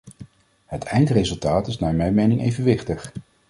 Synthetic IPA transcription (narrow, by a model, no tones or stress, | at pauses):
ɦətʰɛjntrejzɵlˠtaːtɪsnaːɹmɛjmejnɪŋʔḛjvənʋɪχtəχ